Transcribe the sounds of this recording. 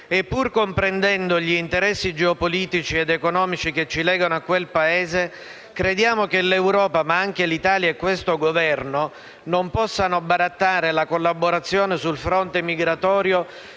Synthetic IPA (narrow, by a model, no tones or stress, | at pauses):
epːurkompɾend̪ɛnd̪oʎiːnt̪eɾɛsːid͡ʒeopoliːt̪it͡ʃied̪ekonɔːmit͡ʃiket͡ʃːilɛːɡanoakːwelpaeːze | kɾed̪jaːmokelewɾɔːpamaaŋkelit̪aːljaekːwest̪oɡovɛrno | nompɔsːanobaɾat̪ːaːɾelakolːaboɾat̪sːjoːnesulfɾɔnt̪emiɡɾat̪ɔːɾjo